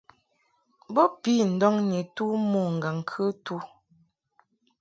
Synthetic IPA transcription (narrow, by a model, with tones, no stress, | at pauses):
bɔ˦pi˦n̩˨dɔ˦ŋɲi˨tu˦mɔ˨ŋ̩˨ɡa˨ŋ̩˨kʰə˦tu˦